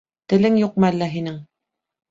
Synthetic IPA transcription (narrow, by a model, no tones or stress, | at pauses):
t̪ɘ̆lɘŋjuq̚mɤælːæɦinɘŋ